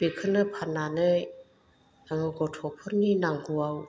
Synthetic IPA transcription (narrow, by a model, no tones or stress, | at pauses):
b̥ekʰɯnɯpʰananɯj | aŋɡɔtʰɔpʰɔɾninaŋɡuaw